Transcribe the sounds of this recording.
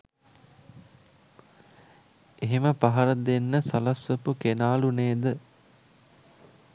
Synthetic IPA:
eɦeməpaɦɐɾəd̪enːəsɐlɐsʋəpukenaːluneːd̪ə

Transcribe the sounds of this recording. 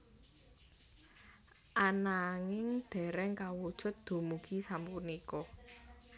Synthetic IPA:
ʔanaŋɪŋd̪̥ɛ̤ɾɛŋkawud̥ʒ̥ʊ̤t̪̚d̪̥o̤muɡ̥isampunikɔ

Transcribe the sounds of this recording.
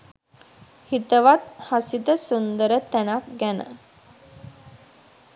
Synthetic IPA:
hit̪əʋat̪̚hasit̪əsund̪əɾət̪ænak̚ɡænə̰

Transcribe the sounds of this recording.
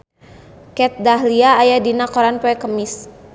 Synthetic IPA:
kɛt̪̚daɦliaːjadinakɔɾanpɛkəmɪs

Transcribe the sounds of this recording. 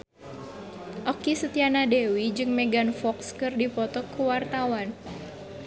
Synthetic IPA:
ʔɔkisət̪ianadewid͡ʒɨŋmɛɡanfɔkskɨrdipɔt̪ɔkuwart̪awan

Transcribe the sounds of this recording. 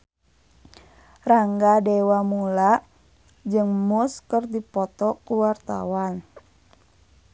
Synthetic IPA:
raŋɡadɛwamulaʔ | d͡ʒɨŋmuskərdipɔt̪ɔkuwart̪a̰wan

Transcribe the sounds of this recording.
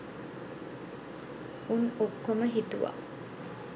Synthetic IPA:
unokːoməɦit̪uʋa̰

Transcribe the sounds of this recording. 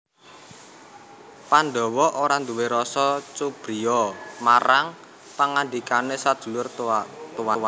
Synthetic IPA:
panɖɔ̤wɔʔoɾand̪uweɾɔsɔt͡ʃub̥ɾiɔmaɾaŋ | paŋand̪ikanesad̥ʒ̥ṳlʊrt̪uwawa

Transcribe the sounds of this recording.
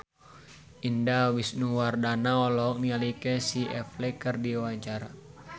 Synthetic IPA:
ʔindawisnuwardanaɔlɔɔk̚nialikɛsiʔɛflɛkərdiwaɲt͡ʃaɾa

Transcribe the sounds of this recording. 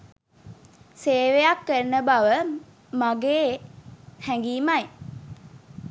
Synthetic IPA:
seːʋejakːəɾnəbaʋə | maɡeː | hɛŋɡiːmaj

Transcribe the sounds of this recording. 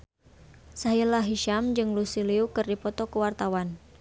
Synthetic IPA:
saɦilaɦiʃamd͡ʒɨŋlusiliukɨrdipɔt̪ɔkəwart̪awan

